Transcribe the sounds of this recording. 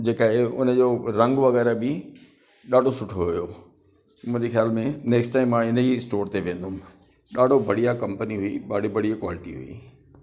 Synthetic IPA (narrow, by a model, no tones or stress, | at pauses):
d͡ʑeːkaɦeʊ̰nə̆d͡ʑoɾɐ̃ŋɡʋɐɣɛːɾəbɪ | ɗaːɖʱosʊʈʰoɦɦʊjo | mʊ̃ɦɪ̃ɲd͡ʑexjaːlmẽneːksʈaːɪmːãɪnəisʈoːɾt̪eʋẽːnd̪ʊm | ɗaːɖʱobʱɐɽijakɐ̃mpəniɦʊiɓaːɽibɐɽ̤ijakwaːlɪʈḭɦṵḭ